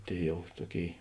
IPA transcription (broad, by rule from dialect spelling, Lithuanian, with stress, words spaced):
ˈtʲeːɪ ˈjɛʊ ˈtuɔˌkʲeːɪ